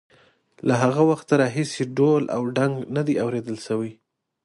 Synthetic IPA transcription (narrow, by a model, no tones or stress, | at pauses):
laɦaɣawaxt̪aɾɑɦiseɖolʔa̰wɖaŋɡnad̪iawɾed̪əlʃawi